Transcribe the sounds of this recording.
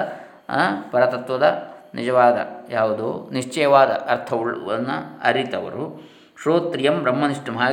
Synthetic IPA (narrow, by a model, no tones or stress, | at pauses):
pɐɾɐt̪ɐt̪ʋɐd̪ɐnid͡ʒɐʋaːd̪ɐ̰jaːʋud̪uniʂt͡ʃɛjɐʋaːd̪ɐ̰ʔɐɾt̪ʰɐʋuɭʋɐ̰nːuɐ̰ɾit̪ɐʋɐ̰ɾu | ʃɾoːt̪ɾijɐmbɾɐmːɐniʂʈɐmɦaː